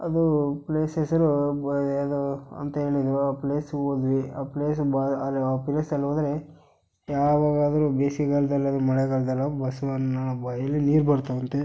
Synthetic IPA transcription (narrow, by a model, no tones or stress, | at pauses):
ɐ̰d̪upleːsesɐɾu | d̪uɐ̰nt̪ɐɦe̞ːɭid̪ɐɾuaːpleːsod̪ʋiaːpleːsbaɐlaːpiɾesɐlːoːd̪ɐɾe | jaːʋaːɡaːd̪ɐɾubeːsiɡɐɭd̪ɐlːɐd̪umɐɭɛɡɐɭd̪ɐlːɐbɐsɐnɐnːɐbɐjɐlːiniːɾbɐɾt̪ɐʋɐnt̪e